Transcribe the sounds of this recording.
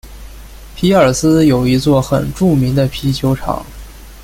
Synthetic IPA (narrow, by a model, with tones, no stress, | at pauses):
pʰi˧˥ə˞˨˩sɹ̩˥jo˨˩ʊi˧˥t͡swɔ˥˩xə̰˨˩nʈ͡ʂu˥˩mi˧˥ŋd̪ə˧pʰi˧˥t͡ɕʰjo˧˥ʊʈ͡ʂʰɑ̰˨˩˦ŋ